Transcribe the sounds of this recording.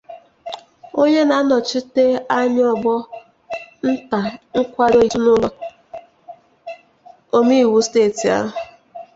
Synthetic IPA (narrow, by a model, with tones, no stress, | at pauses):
o˦ɲe˦na˨˦nɔ˨t͡ʃi˦te˦a˦ɲ˦ɔ˨bɔ˦ | n̩˦ta˨ŋ̩˦kʷa˦do˦u˦nʊ˦lɔ˦ | o˦mi˦˨wu˦steː˦˨ti˨a̰˦ɦʊ˨